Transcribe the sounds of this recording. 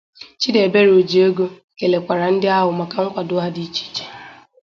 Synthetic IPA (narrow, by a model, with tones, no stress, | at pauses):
t͡ʃi˦de˨be˦ɾo˨d͡ʒi˨o˦ɡo˦ | ke˨le˨kʷa˨ɾa˨n̩˦dɪ˦a˦ɦʊ˨ma˨ka˨ŋ̩˦kʷa˨dʊ˦ɦa˦di˦t͡ʃi̥˦t͡ʃe̥˨